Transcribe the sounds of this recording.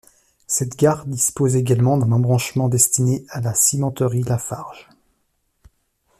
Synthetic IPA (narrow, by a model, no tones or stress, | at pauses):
sɛt̪ɡʲaʁd̪ispozeɡʲalmɑ̃d̪ɛ̃nɑ̃bʁɑ̃ʃmɑ̃d̪ɛst̪inealasimɑ̃t̪əʁilafaʁʒ̥